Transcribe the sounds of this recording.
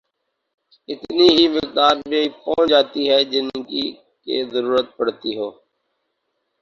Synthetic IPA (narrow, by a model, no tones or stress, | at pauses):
ɪt̪niːɦiːmɪkd̪aːɾmẽpɔ̃ːd͡ʒaːt̪iːɦɛːd͡ʒɪnkiː | kḛːzəɾuːɾət̪̚pəɽ̤t̪iːɦoː